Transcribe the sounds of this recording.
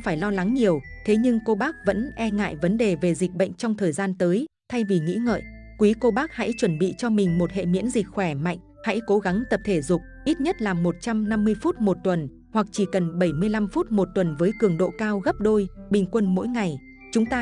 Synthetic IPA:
faː˧˩jlɔ˧la˨˦ŋɲi˨˩əwt̪ʰe˨˦ɲɨ˧ŋko˧ɓaː˦˥k̚və̰˧˥nʔɛ˧ŋa̰ː˧˨jvə˨˦nɗe˨˩ve˨˩zi˨˩k̟̚ɓə̰˧˨jŋ̟t͡ɕɔ˧wŋ͡mt̪ʰəː˨˩jzaː˧nt̪əː˨˦j | t̪ʰa˧jvi˨˩ŋḭ˧˥ŋə̰ː˧˨jʔ | kwi˨˦ko˧ɓaː˦˥k̚ha̰˧˥jt͡ɕwə˧˩nɓḭ˧˨t͡ɕɔ˧mï˨˩ŋ̟mo˨˩t̚hḛ˧˨mḭ˧˥ənzï˨˩k̟̚xwɛ˧˩ma̰˧˨jŋ̟ | ha̰˧˥jko˨˦ɣa˨˦ŋt̪ə˨˩p̚t̪ʰe˧˩zʊ˨˩k͡p̚ʔi˦˥t̚ɲə˦˥t̚laː˨˩mːo˨˩t̚t͡ɕa˧mna˧mːɨ˧əjfu˦˥t̚mo˨˩t̚t̪wə˨˩n | hwa˨˩k̚t͡ɕi˧˩kə˨˩nɓə˧˩jmɨ˧əjla˧mfu˦˥t̚mo˨˩t̚t̪wə˨˩nvəː˨˦jkɨ˧˩əŋɗo̰˧˨kaː˧wɣə˦˥p̚ɗo˧jɓï˨˩ŋ̟kwə˧nmo̰˧˥jŋa˨˩j | t͡ɕʊ˨˦ŋ͡mt̪aː˧

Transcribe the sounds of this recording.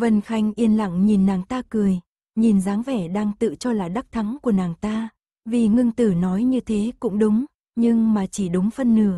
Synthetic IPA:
və˧˩nxa˧jŋ̟ʔi˧ənla̰˧˨ŋɲi˨˩nːaː˨˩ŋt̪aː˧kɨ˨˩əj | ɲi˨˩nzaː˨˦ŋvɛ˧˩ɗaː˧ŋt̪ɨ̰˧˨t͡ɕɔ˧laː˨˩ɗa˦˥k̚t̪ʰa˨˦ŋku˧˩ənaː˨˩ŋt̪aː˧ | vi˨˩ŋɨ˧ŋt̪ɨ˧˩nɔ˨˦jɲɨ˧t̪ʰe˨˦kʊ̰˧˥ŋ͡mɗʊ˨˦ŋ͡m | ɲɨ˧ŋmaː˨˩t͡ɕi˧˩ɗʊ˨˦ŋ͡mfə˧nːɨ̰˧˩ə

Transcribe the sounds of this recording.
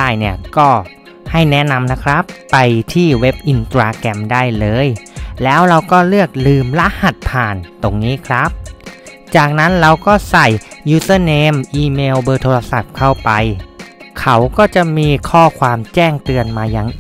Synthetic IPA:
aː˥˩jni˥˩ɐkɔː˥˩ | ha˥˩jnɛ˦˥na˧mna˦˥kʰɾa˦˥pːa˧jt̪ʰiː˥˩we˦˥p̚ʔi˧nt̪ɾaː˧kɛ˧mdaː˥˩jlɤː˧jlɛː˦˥wɾa˧wkɔː˥˩lɯ˥˩ək̚lɯː˧mla˦˥ʔha˨˩t̪̚pʰaː˨˩nt̪o˧ŋniː˦˥kʰɾa˦˥p̚ | t͡ɕaː˨˩k̚na˦˥nɾa˧wkɔː˥˩sa˨˩jːuː˧˩sɤː˥˩neː˧mʔiː˧meː˧wbɤː˧t̪ʰoː˧ɾa˧sa˨˩p̚kʰa˥˩wpa˧jkʰa˦˥wkɔː˥˩t͡ɕa˨˩miː˧kʰɔː˥˩kʰwaː˧mt͡ɕɛː˥˩ŋt̪ɯ˧ənmaː˧ja˧ŋ

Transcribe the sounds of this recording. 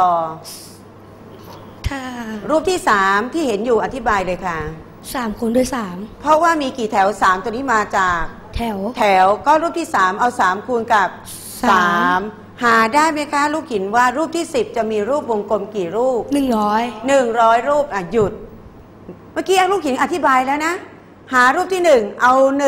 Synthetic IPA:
tɔː˨˩ | kʰa˥˩ɾuː˥˩p̚t̪ʰiː˥˩saː˩˦mt̪ʰiː˥˩he˩˦njuː˨˩ʔa˨˧t̪ʰi˦˥baː˧jlɤː˧jkʰa˦˥˩ | saː˩˦mkʰu˧ndu˧˥˩jsaː˩˦mpʰɔ˦˥waː˥˩miː˧kiː˨˩t̪ʰɛː˩˦wsaː˩˦mt̪nːiː˦˥maː˧t͡ɕaː˨˩k̚t̪ʰɛ˩˦wt̪ʰɛː˩˦wkɔː˥˩ɾuː˥˩p̚t̪ʰiː˥˩saː˩˦mʔa˧wsaː˩˦mkʰu˧nka˨˩p̚ | saː˩˦m | haː˩˦daː˥˩jma˦˥jkʰa˦˥ɾuː˥˩p̚hi˨˩˦nwaː˥˩ɾuː˥˩p̚t̪ʰiː˥˩si˨˩p̚t͡ɕa˨˩miː˧ɾuː˥˩p̚wo˧ŋko˧mkiː˨˩ɾuː˥˩p̚nɯ˨˩ŋɾɔː˦˥jnɯ˨˩ŋɾɔː˦˥jɾuː˥˩p̚ʔaː˨˩ju˨˩t̪̚ | maː˧˥˩kiː˦˧ʔa˧wɾuː˥˩p̚hi˩˦nʔa˧t̪ʰi˦˥baː˧jlɛː˦˥wna˦˥ | haː˩˦ɾuː˥˩p̚t̪ʰiː˥˩nɯ˨˩ŋʔa˧wn˨

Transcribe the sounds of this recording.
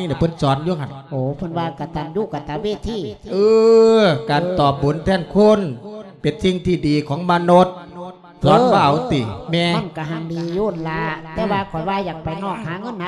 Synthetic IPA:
iː˧˨na˧˩pʰɤ˧˨nsɔː˨˦nju˧˨ŋa˧˩nʔoː˨˦pʰɯ˧˥˨nwaː˧ka˧˩t̪aː˨mjuː˧˩˨ka˧˩t̪aː˨˧˦weː˧˩t̪ʰiː˧˩ʔɯː˧kaː˨˩nt̪ɔː˨˩p̚bu˨˦nt̪ʰɛː˧˩˨nkʰo˧˥˨npe˨˩nsi˧˨ŋt̪ʰiː˧˩diː˨kʰɔː˨˦ŋmaː˧no˧t̪̚ | sɔː˨˦nwaː˧˩˨t̪iː˨˩mɛː˧a˧˨nka˧˩ɦa˧˩ŋliː˧joː˧˩nlaː˧t̪ɛː˧˩waː˧kʰɔ˨˩jwaː˧˨jaː˨˩k̚pa˨jnɔː˧˩k̚haː˨˦ŋɤ˧˥˨na˧

